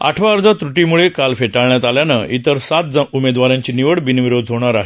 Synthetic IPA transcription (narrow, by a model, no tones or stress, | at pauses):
a̰ʈʰʋaːɾd͡zat̪ɾuʈimuɭekalfeʈaɭɳjat̪aljanəit̪əɾsat̪̚d͡zaumed̪ʋaɾjãɲt͡ɕiːniʋəɽbinʋiɾod̪ɦoɽ̃aɾaɦe